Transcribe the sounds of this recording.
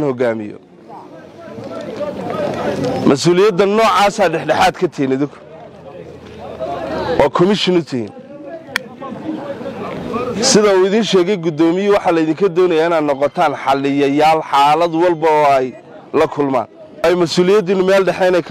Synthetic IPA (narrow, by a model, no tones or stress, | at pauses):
nhɔɡaːmɪ̰jɔ̰ | mɐsuːlɪjɐd̪ːɐnɔːʕaːsaːɖɛħɖɛħaːd̪kʰɐt̪ʰɛːnɪðɪŋkʰʊ̥ | ʔɔːkʰɔmɪʃɪnʊt̪ʰɪhḭːn | sɪðɐuːɪðiːnʃɛːɣɛjɡʊd̪ɔːmɪjʊwɑħɑlɐɪðiŋkʰɐd̪ɔːnɐjaːɪnaːd̪nɔqɔt̪ʰaːnħɑlɪjɐjaːlħaːlɐd̪wɑlbɐɔːɛj | lɐkʰʊlma̰ːn | ɛjmɐsuːlɪjɐd̪ɪnʊmɛːlɖɛħɛnɛjkʰ